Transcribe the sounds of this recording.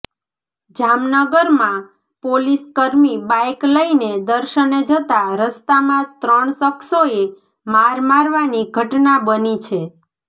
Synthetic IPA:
d͡ʒamnəɡəɾmã | poliskəɾmibajkləined̪əɾʃəned͡ʒət̪aɾəst̪amãt̪ɾəɳsəksoe | maɾmaɾʋaniɡʱəʈnabənit͡ʃʰe

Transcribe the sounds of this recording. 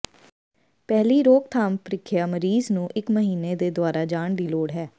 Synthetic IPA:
pɛːliːɾoːkt̪ʰaːmpɾɪkʰːɪjaːməɾiːznũːʔɪkməɦiːneːd̪eːd̪ʊaːɾaːd͡ʒaːɳɖ̪iːloːɽɦɛː

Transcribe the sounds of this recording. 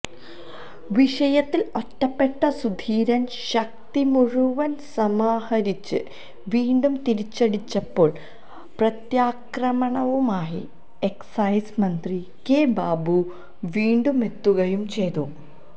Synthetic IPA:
ʋiʂɐjɐt̪ːilo̞tːɐpːe̞ʈːɐsud̪ʱiːɾɐnɕɐk̚t̪imuɻuʋɐnsɐmaːhɐɾit͡ɕːɨ̰ | ʋiːɳɖumt̪iɾit͡ɕːɐɽit͡ɕːɐpːo̞ːɭ | prɐt̪jaːkrɐmɐɳɐʋumaːjḭ | eksɐjsmɐnd̪ri | keːbaːbu | ʋiːɳɖume̞t̪ːuɣɐjumt͡ɕe̞jt̪u

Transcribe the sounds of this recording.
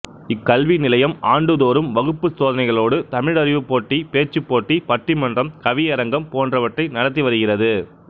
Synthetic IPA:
ɪkːɐlʋinɪlɐjɐmaːɳɖɯðoːɾɯmʋɐɣɯpːɯsoːðɐnɐɪɣɐɭoːɽɯt̪ɐmɪɽɐɾɪʋɯpːoːʈːipeːt͡ʃːɯpːoːʈːipɐʈːimɐndrɐmkɐʋɪjɐɾɐŋɡɐmpoːndrɐʋɐʈrɐɪnɐɽɐt̪̬ːiʋɐɾɯɣɪrɐðɯ

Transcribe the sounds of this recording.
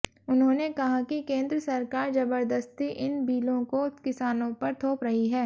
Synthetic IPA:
ʊnɦõːnekɐɦakikẽːnd̪ɾəsɐɾkaːɾzɐbəɾd̪əst̪iʔɪnbʱiːlõkokɪsaːnõpɐɾt̪ʰoːpɾɐɦiɦɛː

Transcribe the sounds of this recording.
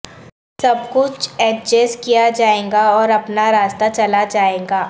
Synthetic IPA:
sɐbkʊt͡ʃʰɛːʈ̚d͡ʒeskijad͡ʒaːẽːŋɡaɔːɾɐpnaɾaːst̪at͡ʃɐlad͡ʒaːẽːɡaː

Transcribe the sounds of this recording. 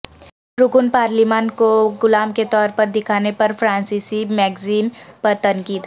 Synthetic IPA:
ɾʊkʊnpaːɾlimaːnkoɡʊlaːmket̪ɔːɾpɐɾd̪ɪkʰaːnepɐɾfɾãːnsiːsimɛːɡziːnpɐɾt̪ɐnkiːd̪

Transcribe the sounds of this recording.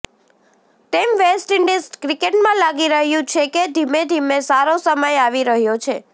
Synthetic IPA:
t̪emʋesʈɪɳɖisʈkɾikeʈmãlaɡiɾəɦjũt͡ʃʰeked̪ʱimed̪ʱimesaɾosəməjaʋiɾəɦjot͡ʃʰe

